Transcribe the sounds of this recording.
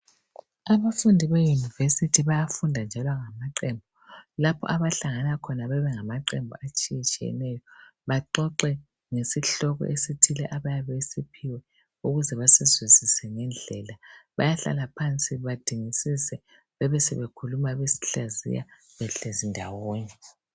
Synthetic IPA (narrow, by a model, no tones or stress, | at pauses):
aβafundʱiβejunivesitʰiβajafundʱand͡ʒʱalwaŋamaǃɛmbʱɔ | lapʰɔ̰ʔaβaɬaŋanakʰɔnaβɛβɛŋamaǃɛmbʱɔat͡ʃʼijit͡ʃʼijɛ̰nɛjɔβaǃɔǃɛ | ŋesiɬɔɣɔ̰ʔesitʰilɛ̰ʔaβajaβesipʰiwɛ | uɣuzɛβasizwizisɛŋɛnd͡ɮʱɛlaβa̰jaɬa̰lapʰant͡sʼiβad̥ʱiŋisisɛ | βɛβɛsɛ̰βekʰulumaβesi̥ɬazḭja̰ | βɛɬezindʱawoːnɛ